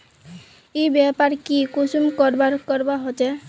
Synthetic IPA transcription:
ejbɛpaɾkikosumkɔɾbaɾkɔɾbaɦot͡ʃe

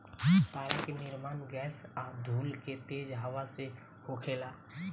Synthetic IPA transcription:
t̪aːɾekenɪɾmaːnɡɛːsad̪ʱuːlket̪eːd͡ʒɦaʋase | hokʰeːlaː

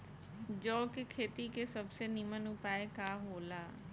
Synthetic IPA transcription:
d͡ʒɔːkɪkʰeːt̪ikesəbseːnimənupaːekaːɦoːlaː

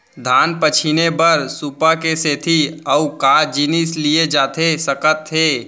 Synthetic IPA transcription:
d̪ʱaːnpət͡ʃʰinebəɾsupakeseːt̪ʰiɐukaːd͡ʒinɪslied͡ʒaːt̪ʰesɐkət̪ʰːeː

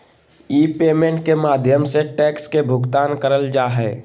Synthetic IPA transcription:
iːpeːmẽɳʈ̚kemaːd̪ʱjəmseʈɛːkskebʱʊɡt̪aːnkəɾəld͡ʒaːɦɛː

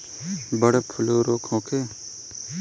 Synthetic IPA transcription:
bəɽepʰʊloːɾoːkʰõːkʰeː

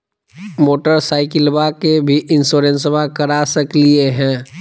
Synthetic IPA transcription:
moːʈəɾsaːɪkɪlbakebʱiʔɪ̃nsoːɾẽnsəbʱakəɾasəklieɦɛ̃ː

